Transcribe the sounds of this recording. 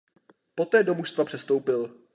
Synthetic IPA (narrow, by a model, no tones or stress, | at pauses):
po̞t̪ɛːdo̞muʃst̪vapr̥ɛst̪owpɪl